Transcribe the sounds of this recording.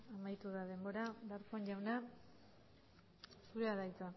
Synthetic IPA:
amajt̪uðaðe̞mbo̞ɾabeaɾkoeɲʎawna | suɾeaðajt͡sa

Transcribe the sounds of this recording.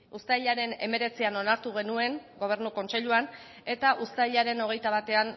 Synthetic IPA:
ust̪ajʎaɾe̞ne̞̰me̞ɾe̞t͡siano̞naɾt̪uɣ̞e̞nue̞ŋɡo̞β̞e̞ɾnuko̞nt͡seʎuan | e̞t̪aʔust̪ajʎaɾe̞no̞ɣ̞e̞jt̪aβat̪e̞an

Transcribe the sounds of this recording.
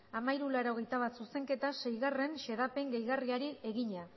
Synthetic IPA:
amajɾulaɾo̞ɣ̞e̞jt̪aβat̪suse̞ŋke̞t̪ase̞jɣare̞nʃe̞ðape̞ŋɡejɣariaɾie̞ɣiɲa

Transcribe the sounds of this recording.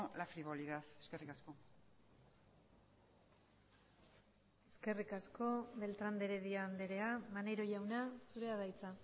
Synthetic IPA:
lafɾiβoliðaθeskerikasko̞ | e̞ske̞rikasko̞βe̞lt̪ɾand̪e̞ɾeðiaːnd̪e̞ɾe̞amaneɾo̞ʝawnasuɾe̞aðajt͡sa

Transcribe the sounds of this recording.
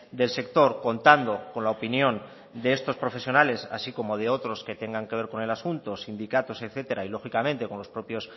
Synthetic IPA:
d̪e̞lse̞k̚t̪o̞ɾko̞nt̪and̪o̞ko̞nlaopinjõ̞n | d̪eest̪o̞spɾo̞fe̞sjo̞nale̞sa̰siko̞mo̞ð̞eo̞t̪ɾo̞ske̞t̪e̞ŋɡaŋkeβe̞ɾko̞ne̞lasunt̪o̞sind̪ikat̪o̞se̞kθet̪e̞ɾailo̞xikamẽ̞nt̪e̞ko̞nlo̞spɾo̞pjo̞s

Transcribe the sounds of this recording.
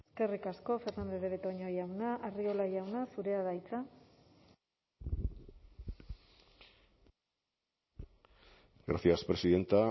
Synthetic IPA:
eske̞rikasko̞fe̞ɾnand̪eðeβet̪oɲo̞jawnaʔario̞laʝawnasuɾe̞aðajt͡sa | ɡɾaθiaspɾe̞siðe̞nt̪a

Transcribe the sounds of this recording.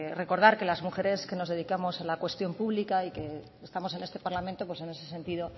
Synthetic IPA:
re̞ko̞ɾð̞aɾke̞lazmuxe̞ɾe̞ske̞no̞zðe̞ðikamo̞salakwe̞st̪jo̞mpuβlikaike̞ː | st̪amo̞s̬e̞ne̞st̪e̞paɾlamẽnt̪o̞pwese̞ne̞se̞se̞nt̪iðo̞

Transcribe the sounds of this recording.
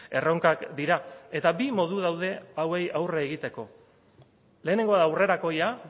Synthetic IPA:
e̞̰roŋkakd̪iɾae̞t̪abimo̞ðuðawð̞e̞awe̞jawreːɣit̪e̞ko̞ | le̞ːne̞ŋɡo̞aðaːwre̞ɾako̞ja

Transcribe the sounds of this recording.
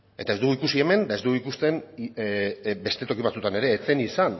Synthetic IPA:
e̞t̪ae̞zd̪uɣuikusie̞me̞nd̪ae̞zd̪uɣuikust̪e̞n | be̞st̪e̞t̪o̞kiβat͡sut̪ane̞ɾe̞ːt͡se̞nisan

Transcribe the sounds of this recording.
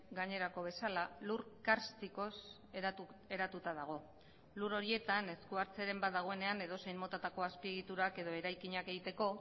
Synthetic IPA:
ɡaɲe̞ɾako̞β̞e̞salaluɾkaɾst̪iko̞s | e̞ɾat̪ut̪að̞aɣ̞o̞ | luɾo̞ɾie̞t̪ane̞skuaɾt͡seɾe̞mbat̪d̪aɣ̞o̞e̞ne̞ane̞ð̞o̞sejmo̞t̪at̪ako̞aspie̞ɣ̞it̪uɾake̞ð̞o̞e̞ɾajkiɲake̞ɣit̪e̞ko̞

